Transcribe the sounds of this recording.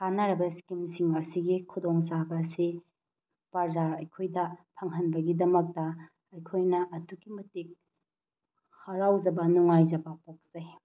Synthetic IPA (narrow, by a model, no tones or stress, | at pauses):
kanaɾɐbɐskimsiŋɐsiɡikʰudoŋs̬abɐsi | pɐɾzaɾɐjkʰojdɐpʰɐŋɦɐnbɐɡidɐmɐk̚tɐ | ɐjkʰojnɐʔɐduɡimɐtik̚ | hɐɾawd͡ʒɐbɐnuŋajzɐbɐpok̚z̥ɐj